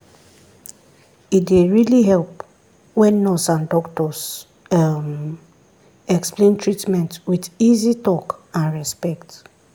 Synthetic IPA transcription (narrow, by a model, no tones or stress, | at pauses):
itdeɹiliɦɛlp | wɛ̃nːɔsãndɔktɔs | m | ɛksplẽntɹitmɛ̃ntwidizitɔkãnɹɛspɛkt